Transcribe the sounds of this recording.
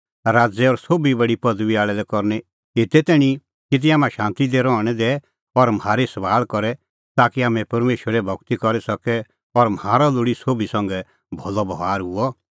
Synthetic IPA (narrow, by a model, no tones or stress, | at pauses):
ɾaːd͡zɛɔɾsoːbibɐɽipɐd̪ʋiaːɭɛlɛkɔɾnɛ | et̪ɛt̪ɛːɽ̃i | kɪt̪̬iaːmãʃãːnt̪id̪ɛɾɔɽ̃ɛd̪ɛ | ɔɾmaːɾesɐʋaːlkɔɾɛ | t̪aːkiaːmɛ̃pɐɾmeːʃəɾɛbʱɔkt̪ikɔɾɛsɐkɛ | ɔɾmhaːɾɔlʊɽisoːbisɐ̃ŋɡɛ | bʱɔlɔbɐʋaːɾɦʊɔ